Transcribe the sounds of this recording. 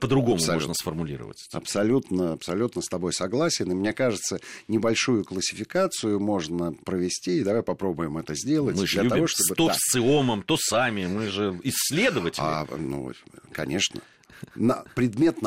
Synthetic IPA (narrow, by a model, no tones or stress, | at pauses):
pəd̪ɾʊɡo̞mʊmɐoʐnəsfərmʊlʲḭɾə̰və̰tʲɐ̰psɐlʲut̪nəɐpsɐlʲut̪nəst̪ɐbo̞jsɐɡlˠasʲɪnɨmnʲe̞kaʐɨt̪sənʲɪbɐlʲʂujʊklˠəsʲɪfʲɪkat̪sɨjʊmo̞ʐnəpɾəvʲɪsʲtʲiːd̪ɐvajpɐpɾo̞bʊjɪmɛt̪əzʲdʲe̞lˠətmɨd̪lʲəɐvo̞ʂt̪obɨt̪osʲt̪sɨoməmt̪osamʲɪmɨʐɨɪsʲːlʲe̞d̪əvətʲɪla̰nṵkɐ̰nʲʔe̞ʂnə̰ | nɐpɾʲɪd̪mʲe̞t̪n